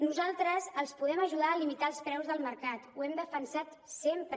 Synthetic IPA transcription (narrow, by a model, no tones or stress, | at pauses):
nuzalˠt̪ɾəzəlˠspuðɛməʒuðaəlimit̪aəlˠspɾɛwzðəlˠməɾkat̪uɛmd̪əfənsat̪ | sempɾ